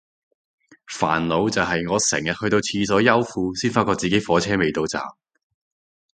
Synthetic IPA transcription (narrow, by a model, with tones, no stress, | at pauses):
fa̰ː˨˩nlo˨˧wt͡sɐ˨wɦɐ˨jŋɔː˨˧sɛ̰ː˨˩ŋjɐ˨t̚hɵ˧jt̪o˧wt͡sʰiː˧s̬ɔː˨˥jɐ˥wfuː˧siː˥nfaː˧t̚kɔ˧t͡siː˨ke˨˥jfɔː˨˥t͡sʰɛː˥me˨jt̪o˧wt͡sa̰ː˨m̚